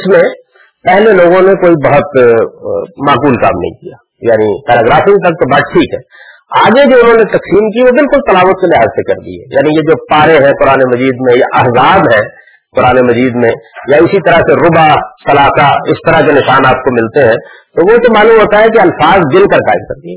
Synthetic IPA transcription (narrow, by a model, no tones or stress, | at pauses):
smẽ | pɛɦleloːɡõnekoːibɐɦʊt̪ | maːkuːlka̰ːmnɐ̰ɦḭ̃kijaː | jaːnipɛːɾaːɡɾaːfit̪ɐk̚t̪obaːʈ̚ʈʰiːkɦɛː | aːɡed͡ʒoːʊnɦõnet̪ɐksiːmkiʋobɪlkʊlt̪ɐlaːʋət̪̚kelɪɦaːzsekɐɾd̪ḭɦɛ̰ja̰ːnijed͡ʒoːpaːɾẽɦɛ̃kʊɾaːnemɐziːd̪mẽja̰ʔɐɦzaːbɦɛ̃ | kʊɾaːnemɐziːd̪mẽjaʊsit̪ɐɾəseɾʊbat̪ɐlaːsaɪst̪ɐɾəɦkenɪʃaːnaːp̚komɪlt̪eɦɛ̃t̪oʋõt̪omaːlũmɦoːt̪aɦɛk̬iɐlfaːzd̪ɪlkəɾka̰ːɪmkɐɾd̪iɦɛː